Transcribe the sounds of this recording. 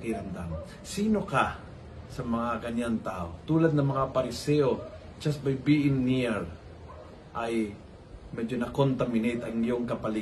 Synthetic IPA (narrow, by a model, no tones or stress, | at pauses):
kɪɾɐmd̪am | siːno̞ka | sɐmɐŋakɐɲant̪aːʔo̰t̪uːlɐd̪̚nɐŋmɐŋapɐɾɪsɛʔo | d͡ʒas̚bajbiʔɪnːiɹ | ʔaj | mɛd͡ʒonɐkont̪amɪnejt̪ɐŋjoŋkɐpɐli